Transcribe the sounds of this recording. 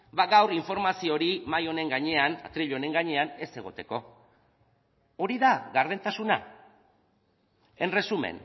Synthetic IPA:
baɡawriɱfo̞ɾmasio̞ɾimajo̞ne̞ŋɡaɲe̞ana̰t̪ɾiʎo̞ne̞ŋɡaɲe̞ane̞se̞ɣ̞o̞t̪e̞ko̞ | oɾiðaɣaɾð̞e̞nt̪asuna̰ | e̞nre̞sumḛn

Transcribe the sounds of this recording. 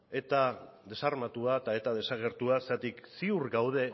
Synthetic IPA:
e̞t̪a | ðe̞saɾrmat̪uat̪ae̞t̪að̞e̞saɣ̞e̞ɾt̪uasat̪iksiuɾɡawð̞e̞

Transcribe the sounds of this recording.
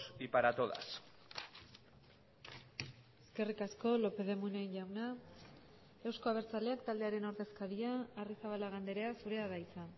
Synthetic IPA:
sipaɾat̪oða̰s | e̞ske̞rikasko̞lo̞pe̞ðe̞muneenʝawna | e̞wsko̞aβe̞ɾt͡sale̞akt̪ald̪e̞aɾe̞noɾðe̞skaɾiaːrisaβalaɣ̞and̪e̞ɾe̞asuɾe̞aðajit͡san

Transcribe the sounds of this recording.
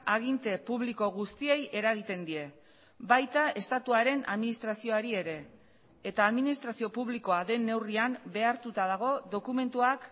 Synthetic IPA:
aɣint̪e̞puβ̞liko̞ɣust̪ie̞je̞ɾaɣ̞it̪e̞nd̪ie̞ | bajt̪ae̞st̪at̪uaɾe̞na̰ðminist̪ɾasio̞aɾie̞ɾe̞ː | t̪aːðminist̪ɾasio̞puβliko̞aðe̞nːe̞wriambe̞aɾt̪ut̪aðaɣ̞o̞ðo̞kume̞nt̪uak

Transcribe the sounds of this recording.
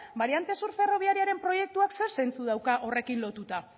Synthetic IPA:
baɾiant̪e̞suɾfe̞ro̞β̞iaɾiaɾe̞mpɾo̞je̞k̚t̪uakse̞ɾse̞nt͡suð̞awkaʔo̞re̞kinlo̞t̪ut̪a

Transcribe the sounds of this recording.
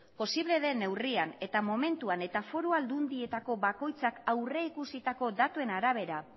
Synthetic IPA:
po̞siβ̞le̞ðe̞ne̞wriane̞t̪amo̞me̞nt̪uane̞t̪afo̞ɾuald̪und̪ie̞t̪ako̞βako̞jt͡sakawreikusit̪ako̞ðat̪ue̞naɾaβe̞ɾa

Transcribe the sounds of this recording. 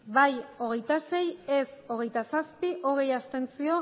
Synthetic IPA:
bajo̞ɣ̞e̞jt̪ase̞jeso̞ɣ̞e̞jt̪asaspiʔo̞ɣe̞jast̪e̞nt͡sio̞

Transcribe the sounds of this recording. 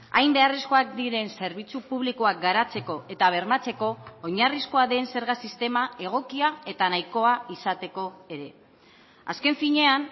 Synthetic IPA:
a̰jmbe̞arisko̞ak̚d̪iɾe̞nse̞ɾβ̞it͡supuβ̞likoak̚ɡaɾat͡se̞ko̞ʔe̞t̪aβ̞e̞ɾmat͡se̞ko̞ːɲarisko̞aðe̞nse̞ɾɣasist̪e̞mae̞ɣ̞o̞kiae̞t̪anajko̞aisat̪e̞ko̞e̞ɾe̞ | a̰ske̞ɱfiɲe̞an

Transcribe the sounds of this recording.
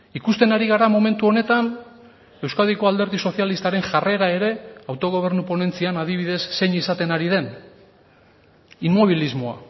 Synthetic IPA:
ikust̪e̞naɾiɣ̞aɾamo̞me̞nt̪uo̞ne̞t̪an | e̞wskaðiko̞ald̪e̞ɾðiso̞θjalist̪aɾe̞nʝare̞ɾae̞ɾe̞awt̪o̞ɣ̞o̞β̞e̞ɾnupo̞ne̞nt͡sianað̞iβ̞iðe̞sːe̞ɲisat̪e̞naɾið̞e̞n | imːo̞β̞ilizmo̞a̰

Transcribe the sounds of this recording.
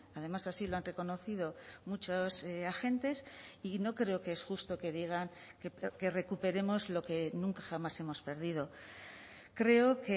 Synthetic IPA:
aðe̞masasiloanre̞ko̞no̞θiðo̞mut͡ʃoseaxe̞nt̪e̞sino̞kɾe̞okeesxust̪o̞ke̞ðiɣ̞aŋ | keke̞re̞kupe̞ɾe̞mo̞zlo̞ke̞nũŋkaχamase̞mo̞spe̞ɾð̞ið̞o̞ | kɾe̞o̞ke

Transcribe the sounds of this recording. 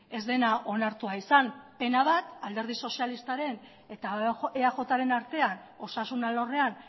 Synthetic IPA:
e̞zd̪e̞naʔo̞naɾt̪uaisanpe̞naβ̞at̪ald̪e̞ɾð̞iso̞sialist̪aɾe̞n | e̞t̪aeaʝo̞t̪aɾe̞naɾt̪e̞ano̞sasunalo̞re̞an

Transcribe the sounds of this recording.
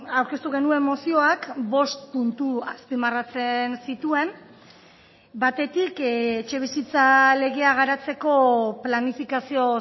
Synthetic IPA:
awɾke̞st̪uɣe̞nue̞mmosio̞akbo̞st̪punt̪uaspimarat͡se̞nsit̪ue̞m | bat̪e̞t̪iket͡ʃe̞β̞isit͡sale̞ɣe̞aɣ̞aɾat͡se̞ko̞planifikasio̞

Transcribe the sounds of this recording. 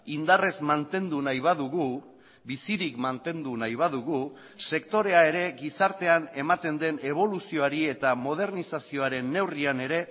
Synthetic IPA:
ind̪are̞zmant̪e̞nd̪unajβaðuɣu | bisiɾikmant̪e̞nd̪unajβ̞aðuɣu | se̞kt̪o̞ɾe̞ae̞ɾe̞ɣisaɾt̪e̞ane̞mat̪e̞nd̪e̞ne̞β̞o̞lusio̞aɾie̞t̪amo̞ð̞e̞ɾnisasio̞aɾe̞nːe̞wriane̞ɾe̞

